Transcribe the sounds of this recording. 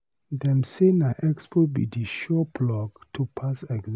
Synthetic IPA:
dɛ̃msenaʔɛkspʰobḭdiʃɔpʰlɔɡtʰupʰasɛɡz

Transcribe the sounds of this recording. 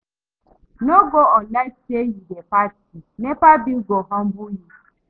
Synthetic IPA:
noɡoɔlatejidepatinepabiɡoɦɔm̩bʊji

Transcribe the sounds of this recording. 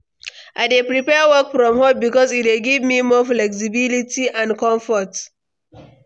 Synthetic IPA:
ʔaɪdepɹipɛwəkfɹɔ̃mhəbikɔzit̚eɡivmimɔflɛks̬ibilitiãnkɔ̃ɱfɔt

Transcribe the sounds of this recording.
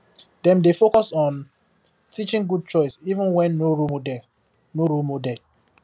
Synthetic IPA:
dɛ̃mdefokɔsɔ̃n | tʰit͡ʃĩŋɡud̚t͡ʃɔɪsivə̃nwɛ̃nːoɹudɛ | noɹumodɛd

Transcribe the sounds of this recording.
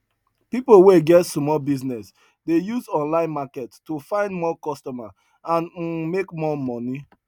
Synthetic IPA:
pipoweɡɛtsmɔbiznɛs | dejuzɔ̃nlãɪ̃nmakɛttufãɪ̃ndmɔkɔstɔma | ãn̩mekmɔmɔ̃ni

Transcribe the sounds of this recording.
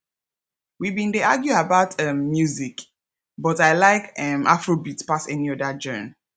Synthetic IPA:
wibĩndeaɡjuabaʊtʰʌ̃mːjuzik | bɔtaɪlaɪkɛmʔafɹobitpasɛniɔdad͡ʒɜn

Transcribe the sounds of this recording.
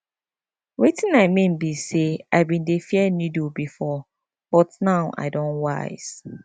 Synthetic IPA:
wetʰĩnamẽm̩biseaɪbĩndefiɛnudubifɔ | b̥ɔtnaʊʔa̰ɪdɔ̃nwa̰ɪs

